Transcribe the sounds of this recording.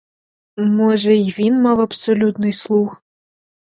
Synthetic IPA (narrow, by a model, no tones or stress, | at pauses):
moʐɛjvʲinmɐvɐpsolʲut̪nɨjslˠux